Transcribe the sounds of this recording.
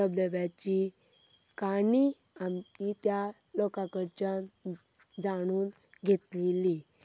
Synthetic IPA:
əbləʋjat͡ɕi | kaɳiamit̪jalɔkakəɾt͡ɕa | d͡zaɽ̃uːnɡʱet̪leli

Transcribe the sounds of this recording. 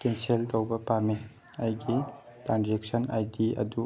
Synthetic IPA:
kenseltɐwbɐpame | ɐjɡi | tɾand͡ʒek̚sɐna̰jdiɐ̰du

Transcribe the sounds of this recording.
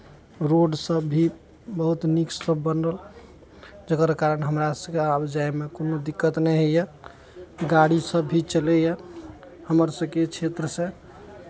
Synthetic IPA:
ɾoɖsəbʱi | bəɦut̪niksəbːənɾəl | d͡ʒəkəɾkaɾənɦəmɾasəbkeabd͡ʒajmekonod̪ikːət̪nɛɦejə | ɡaɽisəbʱːit͡ʃəlɛjə | həməɾsəbket͡ʃʰet̪ɾəsẽ

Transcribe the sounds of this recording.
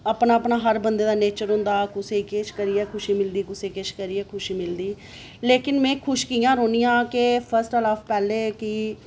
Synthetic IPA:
əpnaːəpnaːɦəɾbənd̪eːd̪aːneːt͡ʃəɾɦʊ̃nd̪aːkʊseːkeːʃkəɾiːɛːkʰʊʃiːmɪld̪iːkʊseːkeːʃkəɾiːɛːkʰʊʃiːmɪld̪iː | leːkɪnmɛ̃ːkʰʊʃkiːãːɾoːnijãːkepʰəɾsʈəlaːpʰpɛːleːkɪː

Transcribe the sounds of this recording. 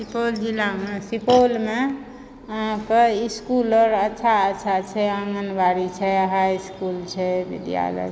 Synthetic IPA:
sipold͡ʒilːamesipolme | əɦãkeiskuləɾətːʃʰaətːt͡ʃʰat͡ʃʰɛə̃ŋɡənbaɾit͡ʃʰɛɦajskult͡ʃʰɛbḭd̪ja̰lə̰ɡ

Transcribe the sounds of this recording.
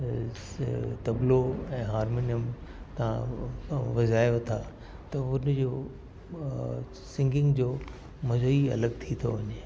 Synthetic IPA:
t̪ɐbloɛ̃ːɦaːɾmoːnijəmt̪ɐ̤ã̰ | ʋɐzaːjot̪ʰa | t̪ɐʊnd͡ʑoː | sɪ̃ŋɡɪ̃ŋɡd͡ʑoː | mɐzoiɐ̰ləɡt̪ʰit̪ʰoʋɐɲɪ

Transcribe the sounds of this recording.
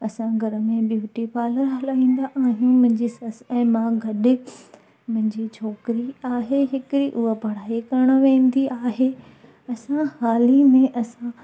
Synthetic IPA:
ɐsãɡʱɐɾʊ̆mẽbjuːʈipaːləɾɦɐlaːĩːn̆d̪aʔaːɦijũmʊ̃ɦɪ̃ɲd͡ʑisɐsɛ̃ːmãɡʱɐɗɪ | mʊ̃ɦɪ̃ɲd͡ʑit͡ɕʰɔːkɪɾiaːɦeɦɪkɪɾiʔʊɦobʱɐɽ̤aːikɐɾəɽ̃̆ʋẽːn̆d̪iaːɦe | ɐsãxaːlimẽʔɐsã

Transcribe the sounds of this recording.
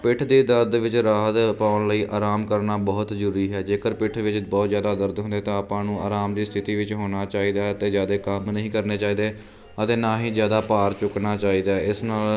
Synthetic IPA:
pɪʈʰd̪iːd̪əɾd̪ʋɪt͡ʃɾaːɦət̪paːʊnləiːʔaːɾaːmkəɾnaːbɔːt̪d͡ʒəɾuːɾiːɦɛːd͡ʒeːkəɾpɪʈʰʋɪt͡ʃbɔːt̪zjaːd̪aːd̪əɾd̪ɦʊ̃nd̪eːt̪ãːapãːnũːaːɾaːmd̪iːst̪ʰɪt̪iːʋɪt͡ʃɦoːnaːt͡ʃaːiːd̪aːt̪eːzjaːd̪eːkəmnəɦĩːkəɾneːt͡ʃaːiːd̪eː | ət̪eːnaːɦiːzjaːd̪aːpaːɾt͡ʃʊknaːt͡ʃaːiːd̪aːɛɪsnaːl

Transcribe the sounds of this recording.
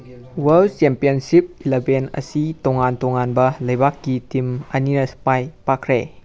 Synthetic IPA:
weldt͡ʃempiənsip̚ilebenɐ̰sitoŋantoŋanbɐlɐjbakːitimɐninɐspajpakʰɾḛ

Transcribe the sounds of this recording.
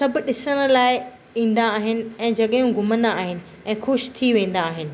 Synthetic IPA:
sɐbɪɗɪsəɽ̃ə̆laːɪ | ĩːn̆d̪aːɦɪnɪ̆ɛ̃ːd͡ʑɐɠjũɡʱʊmə̃nd̪aːɦɪnɪ̆ | ɛ̃ːxʊʃt̪ʰiʋẽːn̆d̪aːɦɪnɪ̆

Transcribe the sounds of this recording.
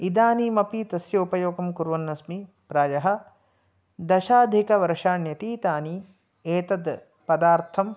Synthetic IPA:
id̪aːnimɐpit̪ɐsjɐupɐjoːɡɐmkuɾʋɐnːɐsmi | pɾaːjɐɦɐ̆ | d̪ɐʃaːd̪ʱikɐʋɐɾʂaːnjɐt̪iːt̪aːni | eːt̪ɐd̪ | pɐd̪aːɾt̪ʰɐm

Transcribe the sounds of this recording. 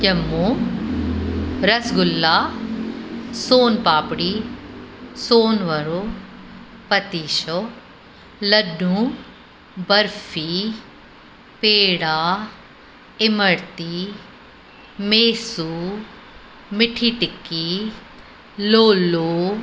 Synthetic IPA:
jɐmːu | ɾɐsɡʊlːaː | soːnpaːpɽiː | soːnʋɐɾo | pɐt̪iːʃo | lɐɖũ | bɐɾfʰiː | peːɽaː | ɪməɽt̪iː | meːsuː | mɪʈʰiːʈɪkːiː | loːloː

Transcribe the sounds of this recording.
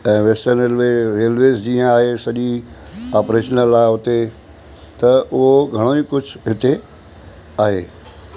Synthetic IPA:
ɛ̃ːʋesəneːlʋeɾeːlʋeːzd͡ʑĩːə̃aːɦesɐʄiaːpɾeːʃənəlaːɪɦʊt̪e | t̪ɐʊɦoɡʱɐɽ̃oːikʊd͡ʑʱʊɦɪt̪e | aːɦeː

